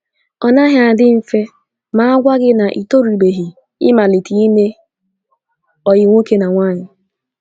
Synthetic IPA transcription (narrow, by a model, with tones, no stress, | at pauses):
ɔ˨na˦ɦɪ˨a˨dɪ˦m̩˨fe˦ | ma˦a˦ɡʷa˦ɡɪ˦na˨ʔi˨to˦ɾi˨be˨ɦi˨ | ɪ̰˦ma˨li˨ti˨i˦me˦ | ɔ˨jɪ˨ŋʷo˦ke˦na˨ŋʷaː˦ɲɪ˨